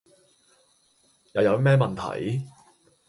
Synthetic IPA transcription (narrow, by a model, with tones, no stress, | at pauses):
jɐ˨˧wjɐ˨˧wmɛː˥mɐ˨nt̪ʰɐ̰˨˩j